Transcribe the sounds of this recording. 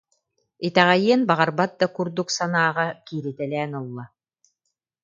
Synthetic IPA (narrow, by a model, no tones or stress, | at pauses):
it̪æʁæjiɛnbaʁɑɾbat̪̚d̪akuɾd̪uksanaːʁɑkiːɾɘt̪ɛlʲɛːnulˠːa